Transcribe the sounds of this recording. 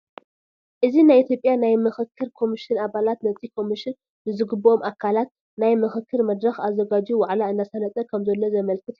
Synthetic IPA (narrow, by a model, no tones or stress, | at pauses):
ʔɨzinajʔit̪ʰjo̞pʼːjanajmɨxɨkʰːɨɾkʰo̞miʃɪnaβalat̪nɐt͡sʼikʰo̞miʃɪnː | ɨzɨɡɨbːomʔakʰalat̪̚ | najmɨxɨkʰːɨɾmɐd̪ɾɐxazɐɡad͡ʒuwaʕlaɨnːasanɐt͡s̪ʼɐkʰɐmzɐlːo̞zɐmɐlkʰɨt̪ʰ